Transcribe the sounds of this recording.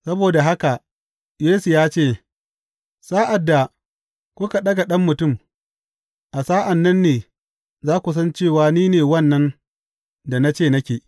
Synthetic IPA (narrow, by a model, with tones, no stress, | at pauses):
sɐ˦boː˨da˨ɦa˦ka˨ʔ | jeː˦su˨jaː˦t͡ʃeː˦˨ | saː˦ʔa˨dːa˨ | kʷʊ˦ka˨ɗɐ˦ɡa˨ɗɐ˦mːʊ˨tʊ˦˨m | ʔa˨saː˦ʔa˨nːɐ˦nːeː˨ | zaː˦kʷu˨s̬ɐ˦nt͡ʃeː˦˨waː˦niː˦neː˨wɐ˦˨nːɐ˦n | da˨na˦t͡ʃeː˦˨nɐ˦kʲeː˨